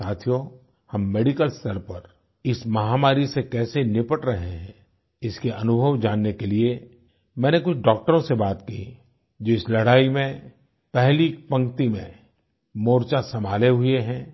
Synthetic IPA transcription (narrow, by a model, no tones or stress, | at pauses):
aːt̪ʰijo | hɐmːeːɖɪkəlst̪əɾpɐɾ | ɪsmɐɦaːmaːɾisekɛːsenɪpəʈɾɐɦeɦɛ̃ | ɪskeʔɐnʊbʱəʋd͡ʒaːnːekelie | mɛ̃ːnekʊt͡ʃʰɖɔːk̚ʈəɾõsebaːt̪ki | d͡ʒoːɪslɐɽaːimẽ | pɛɦlipɐ̃ŋkt̪imḛ̃ | moːɾt͡ʃasɐmʱaːleɦʊeɦɛ̃ː